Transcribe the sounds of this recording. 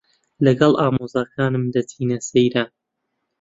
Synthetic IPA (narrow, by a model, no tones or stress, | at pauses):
lɐɡɐlˠʔaːmoːzaːkʰaːnɨmd̪ɐtʰiːnɐsejɾɐ